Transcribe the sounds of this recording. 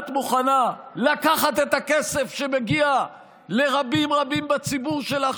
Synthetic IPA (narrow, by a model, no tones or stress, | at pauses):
t̪muχanalakaχat̪et̪akese̞fʃe̞meɡia | le̞ʁabimʁabimbat͡sibuʁʃe̞la